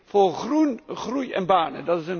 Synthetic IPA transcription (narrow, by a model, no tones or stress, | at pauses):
foːrɣrunχrujɛ̰nbaːnə̰dɑtɪsən